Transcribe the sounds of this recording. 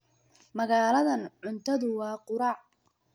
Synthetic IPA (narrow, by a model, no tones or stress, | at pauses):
mɐɣaːlɐðɐnʕʊnt̪ʰɐðʊwɑːqʊɾɑːʕ